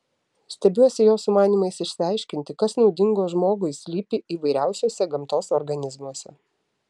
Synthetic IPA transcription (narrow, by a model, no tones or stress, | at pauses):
sʲt̪ʲɛbʲuɔsʲɪjoːsʊmɑːnʲiːmɐɪsɪʃʲsʲɪɑˑɪʃʲkʲɪnʲt̪ʲɪkɐsnɒʊd̪ʲɪŋɡoːʒmoːɡʊɪsʲlʲiːpʲɪiːʋɐɪɾʲæˑʊsʲoːsʲɛɡɐmt̪oːsɔɾɡɐnʲɪzmuɔsʲɛ̰